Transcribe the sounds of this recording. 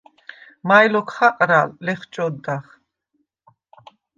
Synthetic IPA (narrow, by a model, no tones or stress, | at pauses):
majlɔkʰχaqʼɾalːɛχt͡ʃʼɔd̪ːaχ